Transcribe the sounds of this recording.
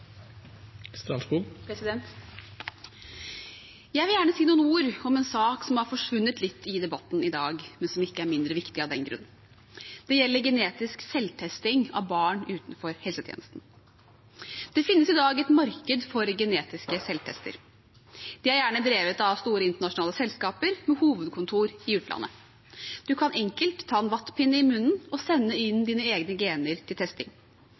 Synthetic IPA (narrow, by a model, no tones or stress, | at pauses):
st̪ɾɑsbupʰɾɛsɪd̪ɛnt̪ | jæɪʋɪljæːɳəsiːnuːənuːɾɔmɛnsɑːksɔmhɑɾfɔʂʋʉnːət̪lɪt̪ːɪd̪ɛbɑt̪ːn̩ɪd̪ɑːɡmɛnsɔmɪkːəæɾmɪnd̪ɾəʋɪkt̪ɪɑʋd̪ɛnɡɾʉ̰nːn | d̪ɛjɛlːəɾɡɛneːt̪ɪsksɛlːt̪ʰɛst̪ɪŋɑ̰ʋbɑːɳʉːt̪n̩fɔɾhɛlsət̪ʰjḛːnəst̪n̩ | d̪̥ɛfɪnːəsɪd̪ɑːɡɛt̪mɑɾkəd̪fɔɾɡɛneːt̪ɪskəsɛlt̪ʰɛ̰st̪ə̰ɾ | d̪̥ɪæɾjæːɳəd̪ɾeːʋət̪ɑʋst̪uːɾəɪnt̪əɳɑʂʊnɑːləsɛlskɑːpəɾmɛhuːʋəd̪kʰʊnt̪ʰuːɾɪʉːt̪lɑ̰nːə̰ | d̪̥ʉkʰɑnʔɛŋkəlt̪ʰːɑːɛnʋɑt̪ːpʰɪnːəɪmʉnn̩ɔsɛnːəɪnd̪iːnəeːɡnəɡeːnəɾt̪ʰɪlt̪ʰɛst̪ɪ̰ŋ